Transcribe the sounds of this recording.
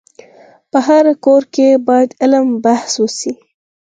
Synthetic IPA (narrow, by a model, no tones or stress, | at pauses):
pəɦaɾkoɾkebɑjad̪ɪləmbahswəsi